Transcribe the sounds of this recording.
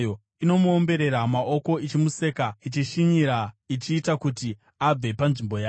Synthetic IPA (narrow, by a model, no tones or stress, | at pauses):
jo | ino̞muombe̞ɾe̞ɾamaʔo̞ko̞it͡ʃimuse̞ːkait͡ʃiʃiɲiɾait͡ʃiːtakuti | ab͡ve̞panʐimbo̞jaː